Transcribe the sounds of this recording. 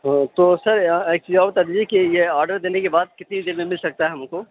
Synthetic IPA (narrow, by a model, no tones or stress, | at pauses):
ɦt̪oːsɐɾeːk̚t͡ʃiːzaːbɐt̪aːd̪iːd͡ʒiekijeaːɾɖəɾd̪eːnekebaːd̪̚kɪt̪nid̪ɪnmẽmɪlsɐk̚t̪aɦɛɦɐm̃ko